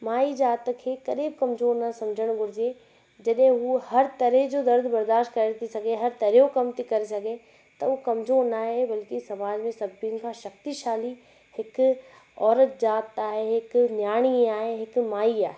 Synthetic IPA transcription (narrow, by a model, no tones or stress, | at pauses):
maːid͡ʒaːt̪kʰeːkɐɾiːb̚kɐmzoːɾnɐsɐ̃md͡ʑʱəɽ̃ɡʱʊɾd͡ʑie | d͡ʑɐɗɦẽuhɐɾt̪ɐɾeɦd͡ʑod̪ɐɾd̪ʱbɐɾd̪aːʃtkɐɾet̪ʰisɐɡʱeɦɐɾt̪ɐɾeɦokɐmt̪ikɐɾesɐɡʱe | t̪ɐukɐmzoːɾnaːɦebɐlkisɐmaːd͡ʑmẽsɐbinkʰãʃɐk̚t̪iʃaːli | hɪk | ɔːɾət̪̚d͡ʒaːt̪aːɦeɦɪknjaːɽ̃iaːɦeɦɪkmaːiaːɦe